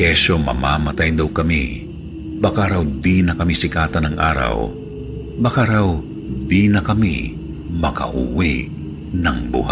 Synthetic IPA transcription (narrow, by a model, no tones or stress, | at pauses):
kɛsomɐ̰maːmɐt̪ajnd̪ɐwkɐmḭ | bɐkaɾɐwd̪inɐkɐmisɪkaːt̪ɐnɐŋʔa̰ːɾɐ̰w | bɐkaɾaw | d̪inɐkɐmḭ | mɐkɐ̰ʔṵwi | nɐŋbʊ̰ha̰